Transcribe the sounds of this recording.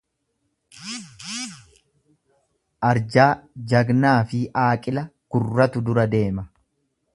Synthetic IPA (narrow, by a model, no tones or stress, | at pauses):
ʔɐɾd͡ʒaːd͡ʒɐɡnaːfɪʔaːkʼɪlɐɡ̥ʊrːɐt̪ʊd̪ʊɾɐd̪e̞ːmɐ